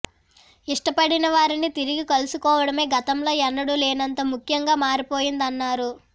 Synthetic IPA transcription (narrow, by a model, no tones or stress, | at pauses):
iʂʈɐpɐɽinɐʋaːɾinit̪iɾiɡikɐlusukɔːʋɐɽɐme̞ːɡɐt̪ɐmlo̞ːɛnːɐɽuleːnɐnt̪ɐmukʰjɐŋɡaːmaːɾipo̞ːjind̪ɐnːaːɾu